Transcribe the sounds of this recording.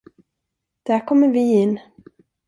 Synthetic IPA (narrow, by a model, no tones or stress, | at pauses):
d̪̥æɾkʰɔmːəɾvɪɪnː